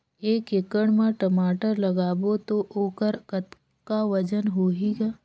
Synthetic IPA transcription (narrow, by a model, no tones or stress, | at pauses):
eːkekəɽ̃mãʈəmaːʈəɾlɐɡaːbot̪oʔoːkəɾkət̪ | kaʋɐd͡ʒənɦoːɦiɡaː